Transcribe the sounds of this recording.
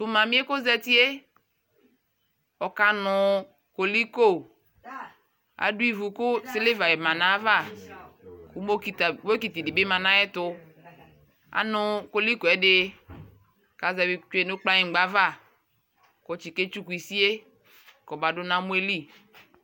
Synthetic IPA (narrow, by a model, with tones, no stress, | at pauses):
tʊ˨mã˨mĩ˦e˦ko˦zɛ˦ti˦e˦ | ɔ˨ka˨nʊ˨ | ko˨li˦ko˦˨ | a̰˨du˦i˦vu˨kʊ˦se˦le˦va˨ɛ˨mã˨na˦va˦˨ | ku˨˦mo˦ki˨tbo˦ki˨ti˨dɪ˨be˦mã˨nã˦jɛ˦tʊ˦ | a̰˨˦nʊ˨ko˨li˦ko˨ɛ˨dɪ˦ | ka˨zɛ˨bt͡ʃe˨nʊ˦k͡pla˦ɲi˨ɡ͡ba˦va˦˨ | ko˨t͡ʃi˨ke˦t͡ʃu˦ku˨i˨si˦e˦ | kɔ˨ba˨dʊ˦nã˦mu˦e˦li˦